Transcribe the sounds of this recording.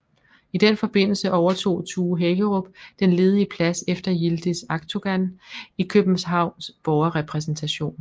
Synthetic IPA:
id̥enfɒ̽b̥e̝n̰l̩səʔɒʊɐt͡sʰo̝̰ːt͡sʰuːɦeɡ̥əʁɔb̥d̥enle̝ːð̞ˠiəpʰlæsefd̥ɐjild̥isɑ̈ɡ̥t͡sʰoɡ̥ænikʰøb̥n̩sɦɑ̈ʊ̰nsb̥ɒʊɐʁɛpʰʁɛs̬n̩t͡sʰæɕo̝̰ːn

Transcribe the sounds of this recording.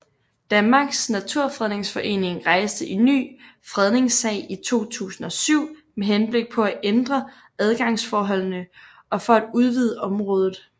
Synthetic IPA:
d̥ænmɑ̈ɡ̥snæt͡sʰuɐ̰fʁɛðˠne̝ŋsfɒ̽ʔe̝̰ːne̝ŋʁɑ̈ɪsd̥əʔiny̰ː | fʁɛð̞ˠne̝ŋsɛ̰ɪit͡sʰo̝̰ːt͡sʰṵːsn̩ɒ̽syʊ̰meɦenb̥le̝ɡ̥̚pʰɒ̽æʔend̥ʁɐ | æð̞ˠɡ̥ɑ̈ŋsfɒːɦɒ̽l̰nə | ʔɒ̽fɒ̽æd̥uð̞ˠʋið̞ˠəɒ̽mʁɔ̽ːð̞ˠð̩ˠ

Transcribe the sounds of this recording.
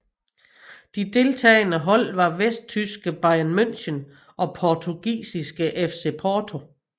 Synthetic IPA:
d̥id̥e̝lt͡sʰɛ̰ːɪnəɦɒ̽l̰ʋɑ̈ʋesd̥̚t͡sʰysɡ̥əb̥ɑ̈ɪænmøn̰ɕən | ʔɒ̽pʰɒt͡sʰuɡ̥ḭːsisɡ̥əʔefse̝pʰɒːt͡sʰo̝

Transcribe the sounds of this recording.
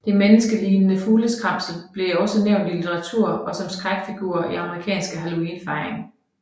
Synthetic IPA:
d̥e̝menəsɡ̥əliːnənəfuːləskʰʁɑ̈m̰sl̩b̥le̝ɒ̽səneʊ̰nd̥ilit͡sʰeʁɑ̈t͡sʰuɐ̰ɒ̽sɒ̽msɡ̥ʁaɡ̥fiɡ̥uɐiɑ̈məʁikʰɛ̰ːnsɡ̥əɦælo̝iːnfɑ̈ɪʁeŋ

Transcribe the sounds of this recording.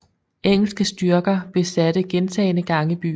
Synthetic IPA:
ʔeŋ̰l̩sɡ̥əsd̥yɐɡ̥ɐb̥e̝sæd̥əɡ̥ent͡sʰɛ̰ːɪnəɡ̥ɑ̈ŋəb̥y̰ː

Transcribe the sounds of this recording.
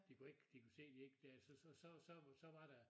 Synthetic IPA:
d̥ikue̝ɡ̥d̥ikʰuse̝̰ːd̥ie̝ɡ̥̚d̥elsɒsɒsɒ̽sɒ̽sɒ̽ʋɑ̈ɾ̥æ

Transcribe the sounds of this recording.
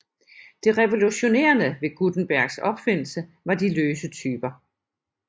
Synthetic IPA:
d̥e̝ʁɛʋo̝luɕo̝ne̝̰ːɐnəʋe̝ɡ̥ud̥n̩b̥æɐ̰ɡ̥sɒ̽b̥fe̝n̰l̩sə | ʋɑ̈d̥iløːsət͡sʰyːb̥ɐ

